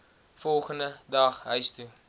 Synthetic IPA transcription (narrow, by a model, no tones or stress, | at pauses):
fɔlˠχəndədɐχɦœɥstu